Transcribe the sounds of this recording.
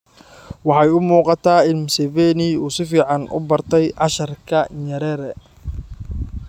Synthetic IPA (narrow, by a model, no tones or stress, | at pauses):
wɑħɑjʊmuːqɑt̪ʰaːɪnmsɛvɛːnɪuːsɪfiːʕɑnʔʊ̰bɐrt̪ʰɛjʔɑʃɐrkʰɐɲɐɾɛːɾɛ